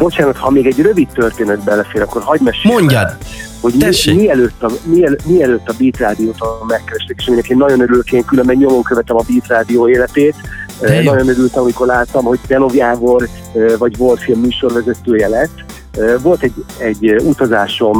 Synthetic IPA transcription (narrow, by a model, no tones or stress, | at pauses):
bo̞t͡ʃaːnɒt̪hɒmeːɡɛɟrø̞vit̪ːørt̪eːnɛd̪̚bɛlːɛfeːɾɒkːo̞rhɒɟmɛʃeoɲ | ho̞ɟmimiɛløːt̪ːɒmiɛlmiɛløːt̪ːɒbiːt̪raːd̪ijoːt̪omɛkːɛɾɛʃt̪ekeːʃɒminɛkeːnːɒɟo̞nøɾyløkeːŋkylømbɛɟɲo̞mo̞ŋkøvɛt̪ɛmɒbiːt̪raːd̪ijoːeːlɛt̪eːt̪ønɒɟo̞nøɾylt̪ɛmɒmiko̞rlaːt̪ːɒmho̞ɟ̚t̪ɛlo̞vjaːvo̞r | vɒɟvolt̪filmːyːʃo̞rvɛzɛt̪øːjɛlɛt̪ː | øvo̞lt̪ɛɟːɛɟːut̪ɒzaːʃo̞m